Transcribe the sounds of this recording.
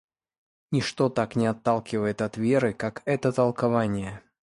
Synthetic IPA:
nʲɪʂt̪o̞t̪aknʲɪɐt̪ːalˠkʲɪvəjɪt̪ɐt̪vʲe̞ɾɨkakɛt̪ət̪əlˠkavanʲɪjə

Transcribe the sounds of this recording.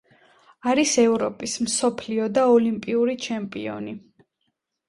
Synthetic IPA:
aɾisɛvɾɔpʼismsɔpʰliɔd̪aɔlimpʼiuɾit͡ʃʰɛmpʼḭɔ̰ni

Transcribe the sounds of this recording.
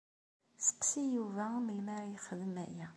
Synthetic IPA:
sə̥qsijuvæməlmæɾjχəðəmæ̰jæ

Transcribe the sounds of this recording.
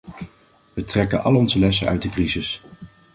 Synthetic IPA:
ʋətrɛkənɑ̰lɔnzəlɛsə̰nœ̰ɥt̚dəkrizɪs

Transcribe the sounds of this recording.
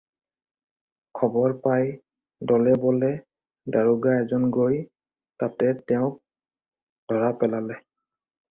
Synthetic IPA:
kʰɔbɔɹpaj | dɔlɛbɔlɛ | daɹuɡaɛzɔnɡoj | tatɛtɛʊ̃k̚ | dʱɔɹapɛlalɛ

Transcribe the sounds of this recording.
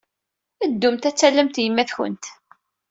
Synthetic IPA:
əd̪ːʊmt̪æt͡sːælːəmt̪jəmːæθçʊ̰nt̪

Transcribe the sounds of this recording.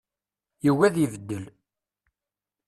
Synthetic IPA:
jəwːæðəvəd̪ːəl

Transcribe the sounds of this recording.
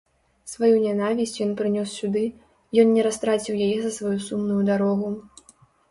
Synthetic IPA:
svajunʲanavʲisʲt͡sʲjɔnpɾɨnʲɔsːʲud̪ɨ | jɔnnʲɛɾast̪ɾat͡sʲiwjajɛzɐsvajusumnujud̪aɾɔɣu

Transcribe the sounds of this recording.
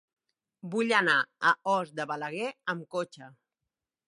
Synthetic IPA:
buʎənaəɔzd̪əβələɣɛəmkot͡ʃə

